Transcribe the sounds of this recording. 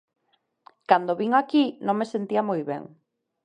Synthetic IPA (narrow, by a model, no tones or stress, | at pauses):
kand̪oβiŋakinõŋmesent̪iamojβɛ̰ŋ